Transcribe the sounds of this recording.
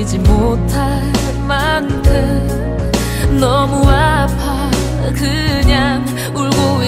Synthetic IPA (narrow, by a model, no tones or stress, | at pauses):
d͡ʑimotʰa | mandʰɯ | nʌmuapʰa | kɯ | ɲaŋ | uɭɡoi